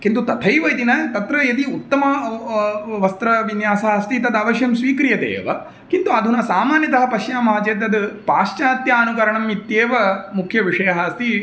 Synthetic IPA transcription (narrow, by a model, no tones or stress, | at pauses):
kint̪ut̪ɐt̪ʰɐjʋɐjt̪inɐt̪ɐt̪ɾɐjed̪iut̪ːɐmɐ | ʋɐst̪ɾɐʋinjaːsɐɦɐst̪it̪ɐd̪ɐʋɐʃjɐmsʋiːkɾijɐd̪ḛːʋɐ̰ | kint̪uɐd̪ʱunɐsaːmaːnjɐt̪ɐɦɐpɐʃjaːmɦɐt͡ʃeːt̪ɐd̪ɨpaːʃt͡ʃaːt̪jaːɐnukɐɾɐɳɐmit̪jeːʋɐmukʰjɐʋiʂɐjɐɦɐst̪i